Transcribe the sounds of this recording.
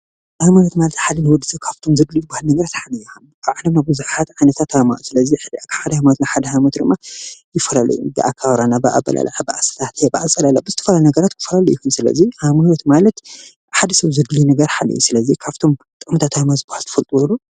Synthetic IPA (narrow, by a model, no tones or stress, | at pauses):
ʔajmajot̪malɐt̪ħalinɨwɔd̪ːɨzɐkʰaβt̪ʰo̞mzɨɡlibahalnɐɡɐɾat̪ħalɨjiom | aβʕlɐmnabɨzuħat̪ʕajnɐt̪ʰat̪ʰama̰ʔusɨlɐzikʰħad̪ɐhajmaot̪naħad̪ɐhajmɐt̪d̪ɨmːajɪfɐlalɐ̰jṵbɨ̰ʔa̰kʰaβɾanabɨʔa̰bɐ̰la̰la̰ʕabɨʔasɐ̥t̪ʰat̪bɨʕasʼɐlalabɨzɨt̪ʰɐ̥fɐlalnɐɡɐɾat̪kʰɨ̥fɐlalɐjukunsɨlɐ̰zihamaot̪malɐt̪ | ħad̪ɐsɐβzɨɡlinɐɡɐɾħalɨ̰jṵsɨlɐzikʰaβt̪ʰo̞m | t̪ʼɨkʼmt̪ʰat̪ajmazɨbahalt̪ʰɨfɐlt̪ʼwolːu